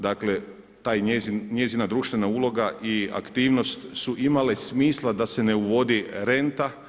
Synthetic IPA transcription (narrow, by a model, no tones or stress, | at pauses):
d̪akle̞ | t̪aːjeɲe̞zinad̪ɾuːʃt̪ʋe̞naulˠo̞ɡaʔia̰kt̪iːʋno̞st̪suʔimalesmiːslˠad̪ase̞ne̞uʋo̞d̪iɾe̞nt̪a